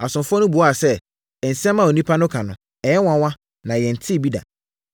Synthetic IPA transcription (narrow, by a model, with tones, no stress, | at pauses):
a˨sʊ̃˨mfʊ˦ɔ˦nʊ̃˦bu˨˦a˨sɛ˦ | ɛ˨n̩˨sɛ̃˦mːã˦˨o˨nĩ˦pʰa˦nʊ̃˦kʰa˨nʊ̃˨ | ɛ˨jɛ˦wã˨wã˦ | nã˨jɛ˨n̩˨tʰɪ˦˨bi˦da̰˨